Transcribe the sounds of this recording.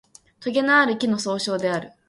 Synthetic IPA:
t̪oɡʲe̞naːɾɯ̟kʲino̞so̞ːɕo̞ːd̪e̞aɾɯ̟

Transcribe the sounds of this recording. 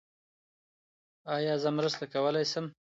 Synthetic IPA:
ɑjɑzəmɾəst̪akawəlajsəm

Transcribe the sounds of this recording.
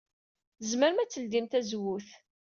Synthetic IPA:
əzməɾmæt͡sːəld̪imt̪æzwuθ

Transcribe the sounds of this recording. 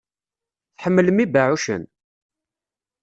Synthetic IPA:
θħəmːələmibaʕuʃə̰n

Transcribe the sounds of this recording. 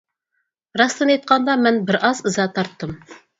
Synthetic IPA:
ɾɑst̪ɨnjɑjt̪̚qɑnd̪ɑmɛnbɪɾʔɑzəzɑt̪ʰɑɾt̪ːɨm

